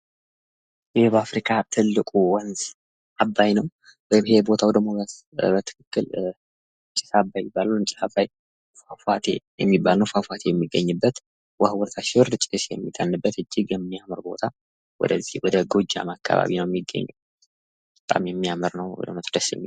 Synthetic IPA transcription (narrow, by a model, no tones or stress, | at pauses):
jɪhbəafɾikʰat̪ʰɨlːɨkʼuwɔnz | abːajnəw | bhebo̞t̪ʰawɔd̪əmos | bət̪ʰɨ̥kɨkːɨl | ɨt͡ʃʼːɪ̥sabajɪbːaluɨnt͡ʃʼiabaj | fafat̪ʰe̞̰jɛmːibːalnəwfafat̪ʰe̞jɛmːiɡːəɲːɨbːət̪ | wəhwɔɾt̪ʰaʃɪwɨɾd̪ɨt͡ʃʼːɪt̪esjɛ̰mːit̪ʰʼːənːɨbːət̪ɨd͡ʒːiɡjɛmːijamɨɾbo̞t̪ʰa | wɔ̰d̪əzːihwɔd̪əɡo̞d͡ʒa̰makʰːa̰βa̰βinəwjɛmːiɡːə̰ɲːṵw | bət̪ʼa̰mjɛmːijamɨɾnəwwɔ̰d̪əmət̪d̪əsjɛ̰mːi